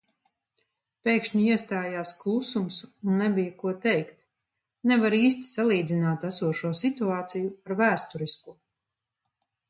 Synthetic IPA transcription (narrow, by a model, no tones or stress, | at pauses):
pʲɛjkʃɲuiɛst̪aːjaːsklˠusumsunːɛbijkuɔt̪ɛjkt̪ | nɛvaɾiːs̬t̪i̥salˠiːd̪zinaːt̪æsuɔʃuɔsit̪uaːt̪sijuaɾvæːst̪uɾiskuɔ